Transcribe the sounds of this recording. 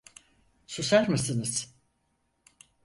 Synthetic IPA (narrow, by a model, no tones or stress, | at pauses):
susæɾmɯsɯnɯz̥